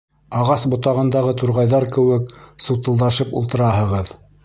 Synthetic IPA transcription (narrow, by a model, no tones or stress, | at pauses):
ɑʁɑsbŏt̪ɑʁɤ̆nd̪ɑʁɤt̪uɾʁɑjðɑɾkɘ̆wɘksŭwt̪ɤ̆lˠd̪ɑʃɤpṵlˠt̪ɤ̆ɾɑɦɤ̆ʁɤð